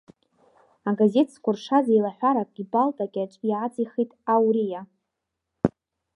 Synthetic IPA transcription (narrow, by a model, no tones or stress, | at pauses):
aɡaze̞tʰskʷʰʊrʂazajlaħʷᶣaɾakʷʼʲibaltʼakʲʼaʈ͡ʂʼiat͡sʼiχitʼawɾija